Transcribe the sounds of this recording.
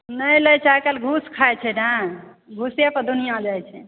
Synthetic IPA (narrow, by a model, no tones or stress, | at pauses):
nəjləjt͡ʃʰajkelɡʱuskʰajt͡ʃʰɛnə | ɡʱusjepəɾd̪unijãd͡ʒajt͡ʃʰɛ